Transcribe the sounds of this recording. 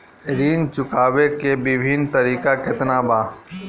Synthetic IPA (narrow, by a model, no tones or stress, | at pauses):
ɾiːnt͡ʃʊkaːʋekebɪbʱɪnt̪ɐɾiːkakɪt̪nabaː